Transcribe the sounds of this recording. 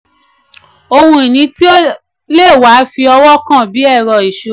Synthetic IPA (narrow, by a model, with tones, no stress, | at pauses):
o˧hũ˧e˨nĩ˧˦ti˦o˦ | le˦˨wa˨˦fi˧ɔ˧wɔ˦kã˦˨bi˨˦ɛ˦˨ɾɔ˨i˨ʃo˧˦